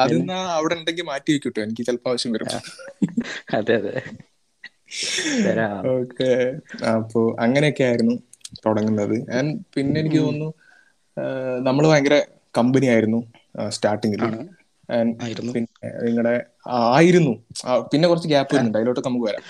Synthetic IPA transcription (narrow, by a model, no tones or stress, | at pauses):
ɐinːaɐʋiɽeɳɖeŋɡilmaːtːiʋekːiuʈːɨenikʲːɨt͡ɕelpːaːʋɐɕjɐmʋɐɾṵːṵ | ɐd̪eɐðɨ | ɐɾoːkʰːeɐpʰːoːʔɐŋːɐne̞jo̞kːeaːjiɾunːu | t̪oɽɐŋːunːɐðɨʔɐnpinːe̞enikʲːɨɐnːu | nɐmːɐɭʋaːjɐŋɡɐɾe | kɐmbɐnijaːjiɾunːu | staːrʈːiŋɡil | ɐnːpinːeniŋːɐɽe̞ | aːjiɾunːupinːe̞kurɐt͡ɕːɨk̬aːpːɐiɾunːuɖɐjloːʈːɨknɐmːukːɨʋɐɾa̰ːm